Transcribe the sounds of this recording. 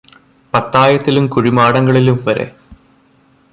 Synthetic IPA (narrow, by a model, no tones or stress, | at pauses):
pɐt̪ːaːjɐt̪ːilumkuɻimaːɽɐŋɡɐɭilumʋɐɾḛ